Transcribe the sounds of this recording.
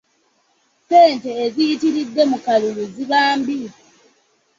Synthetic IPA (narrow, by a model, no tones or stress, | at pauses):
peːnteːzijitiɾidːe̞mukaluluziβaːmbi